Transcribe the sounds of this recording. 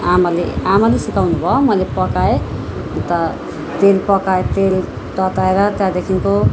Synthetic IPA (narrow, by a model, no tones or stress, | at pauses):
amalḛamalesikawnubʱʌmʌjlepʌkae | nt̪ʌ | t̪elpʌkaet̪el | t̪ʌt̪aeɾʌt̪jãd̪ekʰinko